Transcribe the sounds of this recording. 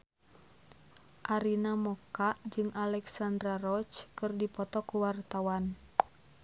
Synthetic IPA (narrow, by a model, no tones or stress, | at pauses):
ʔaɾinamɔkaʔd͡ʒɨŋʔalɛksandɾaɾɔt͡ʃkɨrdipɔt̪ɔkuwart̪awan